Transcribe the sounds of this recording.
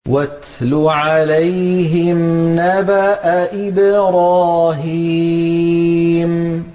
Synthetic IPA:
wat̪lʊʕalajɦɪmnabaʔaʔɪbɾaːɦi | m

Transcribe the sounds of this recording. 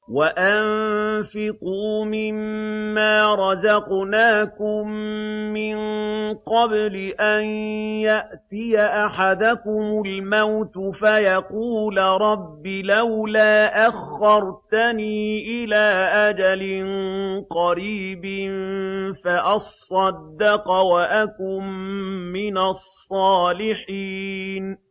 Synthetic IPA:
waʔanfɪquːmɪmːaːɾˤɑzɑqnaːkʊmːɪnqɑblɪʔanjaʔt̪ɪjaʔaħad̪akʊmʊlmawt̪ʊfajaquːlɾˤɑbːɪlawlaːʔaxːɑɾˤt̪aniːʔɪlaːʔad͡ʒalɪnqɑɾiːbɪnfaʔɑsˤːɑd̪ːɑqwaʔakʊmː | ɪnasˤːɑːlɪħiːn

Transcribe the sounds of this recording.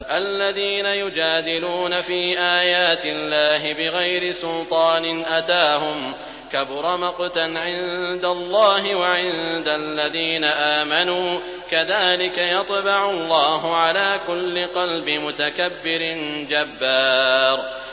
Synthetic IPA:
ʔalːaðiːnajʊd͡ʒaːd̪ɪluːnafiːʔaːjaːt̪ɪlːaːɦɪbɪɣajɾɪsʊlt̪ˤɑːnɪnʔat̪aːɦʊm | kabʊɾˤɑmɑqt̪anʕɪnd̪alˤːɑːɦɪwaʕɪnd̪alːaðiːnaʔaːmanuː | kaðaːlɪkajɑt̪ˤbɑʕʊlˤːɑːɦʊʕalaːkʊlːɪqɑlbɪmʊt̪akabːɪɾɪnd͡ʒabːaːɾ

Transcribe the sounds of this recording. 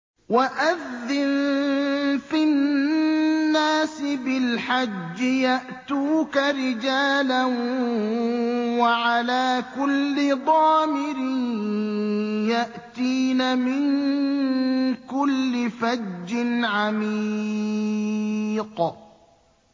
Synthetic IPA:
waʔaðːɪn | fɪnː | aːsɪbɪlħad͡ʒːɪjaʔt̪uːkaɾɪd͡ʒaːlan | waʕalaːkʊlːɪd̪ˤɑːmɪɾɪn | jaʔt̪iːnamɪŋ | kʊlːɪfad͡ʒːɪnʕami | q

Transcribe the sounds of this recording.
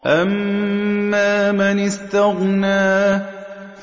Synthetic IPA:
ʔamː | aːmanɪst̪aɣnaː

